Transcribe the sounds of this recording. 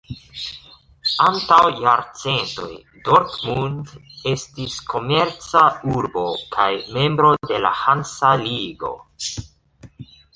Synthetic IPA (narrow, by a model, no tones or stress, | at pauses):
antawjaɾt͡se̞nto̞̰j | do̞ɾtmunde̞stiskʰo̞me̞ɾt͡sauɾbo̞kʰajme̞mbɾo̞de̞la̰hansaliɡo̞̰